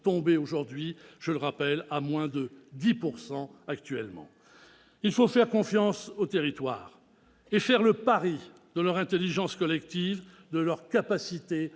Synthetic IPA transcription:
t̪ɔ̃beoʒuʁd̪ɥiʒ̥ələʁapɛlamwɛ̃d̪əd̪ipuʁsɑ̃akt̪ɥɛlmɑ̰̃ | ilfofɛʁkɔ̃fjɑ̃sot̪eʁit̪wa̰ːʁ | efɛʁləpaʁi | d̪əlœʁɛ̃t̪eliʒɑ̃skɔlɛkt̪iv | d̪əlœʁkapasit̪e

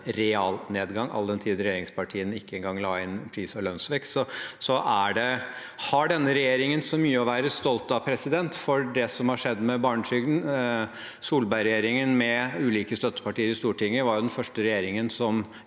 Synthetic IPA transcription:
ɾɛɑːlneːd̪ɡɑŋʔɑ̰ləd̪ɛnt̪ʰiːd̪əɾɛjeːɾɪŋspʰɑʈʰiːənɪkːəɛŋɡɑŋːlɑːɪnpʰɾiːsɔlœnsʋɛkt̪sɔsɔʔæɖɛ | hɑɖɛnːəɾɛjeːɾɪŋənsɔmyːəɔʋæːɾəst̪ɔlt̪ɑpʰɾɛsɪd̪ɛnt̪fɔɖɛsɔmhɑʂɛd̪ːmɛbɑːɳəʈʰɾyːɡn̩ | suːlbæɪɾɛjeːɾɪŋənmɛʉːliːkəst̪œt̪ːə̥pɑʈiːəɾɪst̪uːʈʰɪŋːəʋɑɾjʊd̪ɛnfœʂʈəɾɛjeːɾɪŋənsɔm

